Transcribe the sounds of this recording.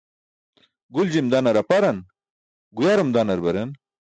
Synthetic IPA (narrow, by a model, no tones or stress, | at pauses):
ɡuld͡ʑimd̪anɐɾɐpɐɾɐn | ɡujaɾɐmd̪anɐɾbɐɾɐn